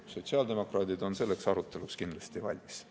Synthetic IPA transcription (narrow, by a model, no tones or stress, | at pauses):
so̞t̪ʲsiɑːld̪e̞mo̞krɑːd̪id̪o̞nse̞lːe̞ksɑɾut̪ːˑe̞lukskind̪lɑst̪ivɑ̰lʲmis